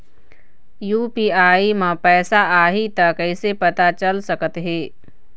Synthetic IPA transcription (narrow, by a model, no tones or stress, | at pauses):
juːpiːaːimãpɛːsaaːɦit̪ɐkəɪsepɐt̪at͡ʃɐlsɐkət̪ɦeː